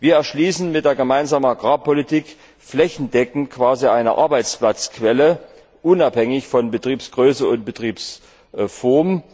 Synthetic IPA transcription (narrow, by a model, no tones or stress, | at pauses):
viːɐɛɐʃliːsn̩mɪt̚d̥eːɐɡəmaɪnzaːmənaɡʁaːpɔlitiːk | flɛçn̩dɛkŋ̩kʰv̥aːziʔaɪnɐ̰ʔa̰ɐbaɪt͡splat͡skv̥ɛlə | ʔʊnaphɛŋɪçfɔnbətʁ̥iːpsɡ̥ʁøːsəʊnt̚b̥ətʁ̥iːps | fɔɐm